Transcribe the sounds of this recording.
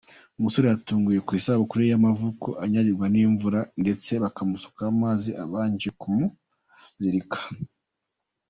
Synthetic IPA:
umuso̞ɾejatuːŋɡuje̞kwiːsaβokuɾejamavuko̰ʔaɲaɾiɾɡwaniːɱvuɾande̞t͡se̞βakamuso̥kaːmaːziʔa̰βaːɲd͡ʒekumu | ziɾikḁ

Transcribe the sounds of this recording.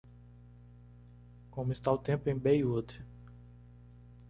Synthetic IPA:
kõmʊɪst̪aʊt̪ẽmpʊẽj̃bejud̪ɪ̥

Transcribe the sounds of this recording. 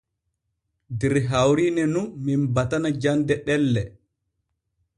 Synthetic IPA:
dɛɾɦawɾiːnɛnunminbatanad͡ʒandɛɗɛlːɛ

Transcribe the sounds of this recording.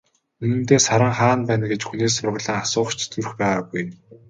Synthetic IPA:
ɵnɘ̆mt̪eːsaɾə̆ŋχaːnpæːnɡet͡ɕxuneːsʊrʁɮə̆ːŋasʊːχt͡ɕʰt̪ɘ̆rxpæːʁaɡuj

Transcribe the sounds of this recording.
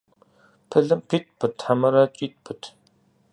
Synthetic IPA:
pʰɨɮɨmpʰit̚pʰɨtʰħamɐɾat͡ʃʼiːt̪̚pʰɨtʰ

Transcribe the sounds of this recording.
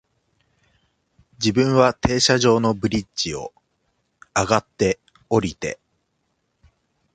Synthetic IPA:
d͡ʑibɯ̟̃ɰ̃βat̪e̞ːɕaʑo̞ːno̞bɯ̟ɾʲit͡ɕio̞̰ | aɡat̪ːe̞ | o̞ɾʲit̪e̞̰

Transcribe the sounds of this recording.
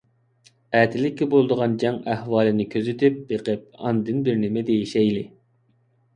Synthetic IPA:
æt̪ʰɪlɪkʲːibolˠd̪əʁɑnd͡ʒɛŋæhwɑːlˠɪnɪkʲʰøzyt̪ʰyp̚beqəp̚ɑ̰nd̪ɨnbɪɾnɪmɪd̪ejiʃɛjlɪ

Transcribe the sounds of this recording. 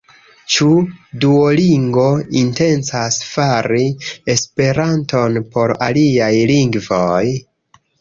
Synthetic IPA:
t͡ʃuduoliŋɡo̞inte̞nt͡sasfaɾie̞spe̞ɾanto̞npo̞ɾa̰liajliŋɡvo̞j

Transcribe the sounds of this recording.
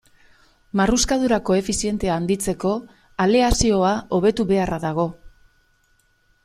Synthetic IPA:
maruskaðuɾako̞e̞fisie̞nt̪e̞aːnd̪it͡se̞ko̞ | ale̞asio̞ao̞βe̞t̪uβe̞araðaɣ̞o̞

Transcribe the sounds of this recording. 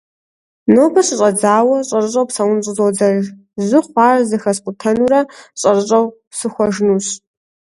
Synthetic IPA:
noːbɐɕɨɕʼɐd͡zaːwɐɕʼɐrɨɕʼɐwpsɐwʊnɕʷʼɨzod͡zɐr | zʷɨχʷɑːrzɨxɐsqʷʼʊtʰɐnuɾɐɕʼɐrɨɕʼɐw | sɨxʷɔʒnuːɕ

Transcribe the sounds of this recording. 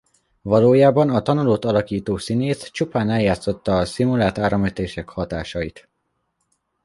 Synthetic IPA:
vɒloːjaːbɒnɒt̪ɒnuloːt̪ɒlɒkiːt̪oːsineːst͡ʃupaːnɛljaːt̪so̞t̪ːɒːsimulaːt̪aːɾɒmøt̪eːʃɛkhɒt̪aːʃɒjit̪

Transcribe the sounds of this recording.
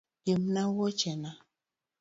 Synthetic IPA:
jemnawɔt͡ʃɛna

